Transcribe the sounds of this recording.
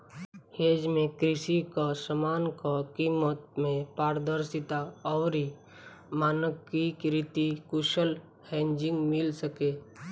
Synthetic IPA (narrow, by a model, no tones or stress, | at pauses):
heːd͡ʒmẽkɾɪʃikasəmaːnkakiːmət̪̚mẽpaːɾd̪əɾsɪt̪aɔːɾɦi | maːnəkːikɾɪt̪ikʊʃəl | hɛ̃ːɲd͡ʒɪ̃ŋɡmɪlsəkeː